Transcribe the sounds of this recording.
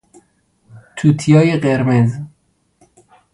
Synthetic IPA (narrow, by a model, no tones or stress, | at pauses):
t̪ʰut̪ʰijɒːjeɢeɾmez